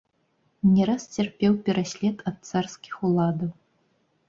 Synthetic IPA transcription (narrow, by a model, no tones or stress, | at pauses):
nʲɛɾast͡sʲɛrpʲɛwpʲɛɾasʲlʲɛt̪ʰɐt̪̚t̪sarskʲi̥xulˠad̪ɐw